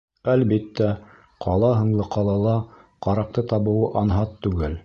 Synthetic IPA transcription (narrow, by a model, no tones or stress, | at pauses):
ælbit̪ːæ | qʰɑlˠɑɦɤ̆ɴlˠɤqʰɑlˠɑlˠɑ | qɑɾɑq̚t̪ɤt̪ɑβɤ̆wɤʔɑnɦɑt̪ːʉɡɘl